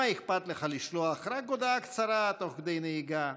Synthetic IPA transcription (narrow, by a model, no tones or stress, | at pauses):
aixpat̪leχaliʃloaχɾak̚ɡod̪akt͡saɾat̪oχɡd̪ejneiɡa